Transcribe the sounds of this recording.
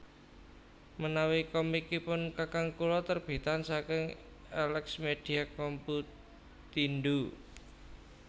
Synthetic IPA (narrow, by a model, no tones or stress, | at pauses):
mənawikɔmikːipʊnkakaŋkulɔt̪ərb̥i̤t̪ansakɪŋ | alɛksmed̥i̤akɔmpu | t̪indu